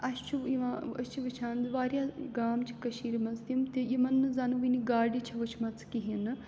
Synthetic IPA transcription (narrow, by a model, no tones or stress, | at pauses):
ɐst͡ʃʰuiʋaɐt͡ʃʰiʋɨt͡ʃʰaːnd̪ʋaːɾjaːɡaːmt͡ʃʰi̥kɐʃiːɾmɐzt̪imt̪ejimɐnːɨzanuʋiniɡaːɾɖit͡ʃʰɐʋɐt͡ʃʰmɐt͡sʰkiɦinɨ